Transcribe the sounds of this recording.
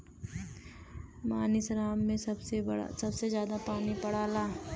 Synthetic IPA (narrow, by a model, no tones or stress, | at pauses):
maːnisɾaːmːẽsɐbsḛsɐbsezjaːd̪apaːnipɐɽ̤aːlaː